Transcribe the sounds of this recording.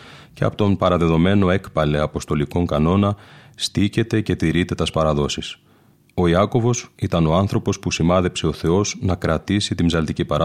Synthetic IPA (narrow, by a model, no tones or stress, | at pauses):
ceɐ̰pot̪o̞mpɐɾɐðe̞ðo̞me̞no̞e̞kpɐle̞ɐpo̞st̪o̞liko̞ŋkɐno̞nɐst̪ice̞t̪e̞ce̞t̪iɾit̪e̞t̪ɐspɐɾɐðo̞sis | o̞iɐko̞vo̞sit̪ɐno̞ɐnθɾo̞po̞spusimɐðe̞pse̞o̞θe̞o̞znɐkɾɐt̪isit̪imzɐlt̪icipɐɾɐ